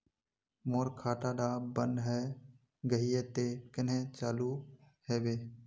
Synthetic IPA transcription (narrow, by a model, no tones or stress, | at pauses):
moːɾkʰaːʈaɖaːbə̃nɖɦɛ | ɡəɦiet̪ekɪnɦẽt͡ʃaːlu | heːbeː